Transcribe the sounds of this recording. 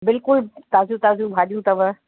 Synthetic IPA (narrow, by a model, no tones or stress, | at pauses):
bɪlkʊlt̪aːzũt̪aːzũbʱaːɗijũt̪ɐʋə